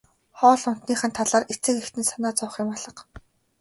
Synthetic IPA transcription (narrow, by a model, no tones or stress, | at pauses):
χɔːɮʊn̥t̪niːχə̆nt̪ʰaɮaːret͡sɘ̆kext̪ɘ̆nsanaːt͡sɔwχɪ̆maɮə̆q